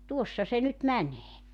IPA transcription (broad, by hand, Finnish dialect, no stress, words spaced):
tuosːɑ se nyt mæneː